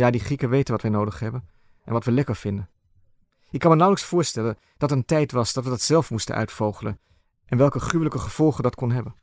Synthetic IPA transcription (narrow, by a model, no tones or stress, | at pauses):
jaːdiχikəʋejtənʋɑtʋɛjnowdəχɦɛbən | ʔɛnʋɑtʋəlɛkəɹv̥ɪndən | ɪkːɑnmənawləksfʊːɹstɛlən | d̥ɑtəntɛjtʋɑsdɑtʋədɑtsɛlˠfmustə̰nʔœ̰ɥtfowχələn | ʔɛnʋɛlˠkəχrywələkəχəv̥ɔlˠχədɑtkɔnɦɛbən